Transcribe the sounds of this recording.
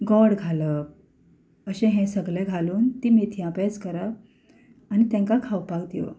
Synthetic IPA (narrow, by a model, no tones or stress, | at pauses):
ɡɔɽɡʱalə | əɕẽɦɛ̃səɡlẽɡʱaluːnt̪imet̪ʰijãped͡zkəɾa | añit̪ɛ̃ŋkakʰawpakd̪iʋo̰